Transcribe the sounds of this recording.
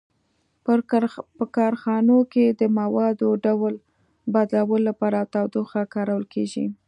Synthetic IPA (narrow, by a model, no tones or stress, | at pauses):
ppəkɑɾxɑnoked̪əmawɑd̪oɖawl | bad̪lawəlolːapɑɾat̪awd̪oxakɑɾawəlkʰeʒi